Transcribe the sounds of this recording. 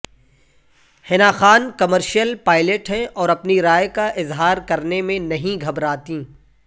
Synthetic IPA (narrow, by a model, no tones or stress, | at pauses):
hɪnaːxaːnkɐməɾʃijəlpaːɪleʈɦɛ̃ʔɔːɾɐpniɾaːjkaʔɪzɦaːɾkɐɾnemẽnɐɦĩɡʱɐbɾaːt̪ĩː